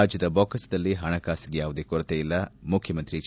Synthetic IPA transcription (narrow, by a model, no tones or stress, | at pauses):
aːd͡ʒjɐd̪ɐboːkɐsɐd̪ɐlːiɦɐɳɐkaːsiɡejaːʋud̪ekuɾɐt̪eːilːɐmukʰjɐmɐnt̪ɾit͡ʃ